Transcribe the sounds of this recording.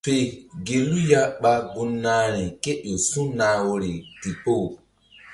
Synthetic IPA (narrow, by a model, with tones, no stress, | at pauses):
fe˨ɡe˨lu˦ja˦ɓa˦ɡu˦nːaː˦ɾi˨ke˦o˨sũ˦naː˨˦wo˨ɾi˨ti˨po˦˨